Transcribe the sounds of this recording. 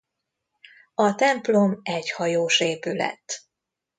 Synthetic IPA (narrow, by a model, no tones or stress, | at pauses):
ɒt̪ɛmplo̞mɛɟhɒjoːʃeːpylɛ̰t̪ː